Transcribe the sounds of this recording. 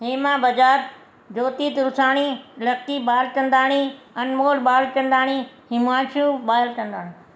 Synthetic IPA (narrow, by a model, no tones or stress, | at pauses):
ɦiːmãːbɐd͡ʒaːt̪ | d͡ʑoːt̪iːt̪ɾʊsaːɽ̃ilɐk̚t̪ibaːlkɐ̃nd̪aːɽ̃i | ɐnmoːlɓaːlkɐ̃nd̪aːɽ̃i | hɪmaːt͡ʃjũɓaːlkɐ̃nd̪aːɽ̃ĩ